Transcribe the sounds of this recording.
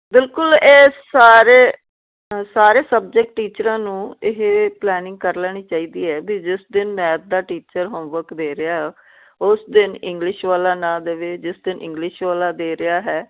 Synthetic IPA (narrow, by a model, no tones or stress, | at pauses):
bɪlkʊleːsaːɾeː | saːɾeːsəb̚d͡ʒək̚ʈʈːiːt͡ʃɾãːnũːɪɦplɛːnɪ̃ŋɡ̚kəɾlɛːñiːt͡ʃaːiːd̪iːɦɛːbiːd͡ʒɪsd̪ɪnmɛ̃ːt̪̚d̪aːʈiːt͡ʃəɾɦõːʋəkd̪eːɾɪjaːɦɛ | ʊsd̪ɪnɪ̃ŋɡlɪʃʋaːlaːnãːd̪eʋeːd͡ʒɪsd̪ɪnʔɪ̰̃ŋɡlɪʃʋaːlaːd̪eːɾɪjaːɦɛː